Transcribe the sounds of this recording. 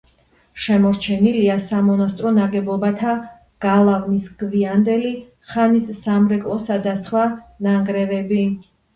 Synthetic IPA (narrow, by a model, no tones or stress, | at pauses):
ʃɛmɔɾt͡ʃʰɛniliasamɔnast̪ʼɾɔnaɡɛbɔbat̪ʰa | ɡ̥alˠavnisɡviand̪ɛli | χanisːamɾɛkʼlˠɔsad̪asχwanaŋɡɾɛvɛbi